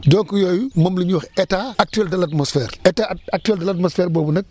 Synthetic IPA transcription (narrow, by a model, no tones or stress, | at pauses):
dɔŋkujɔːjumɐmlɐɲuwɔxɛtaɐk̚tyɛldɐlɐtmɔsfɛːɾɛtaːɐk̚tyɛldɐlɐtmɔsfɛːɾbɔːbunɐk̚